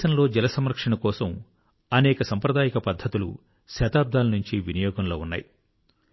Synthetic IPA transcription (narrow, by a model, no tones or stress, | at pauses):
ɐnlo̞ːd͡ʒɛlɐsɐmɾɐkʂɐɳɐkɔːsɐm | ɐnɛːkɐsɐmpɾɐd̪aːjɐkɐpɐd̪ʱːɐt̪ulṵ | ʃɐːt̪aːb̚d̪ʱaːlɐnuɲt͡ʃiʋinɐjɔːɡɐnlo̞ːunːa̰ːji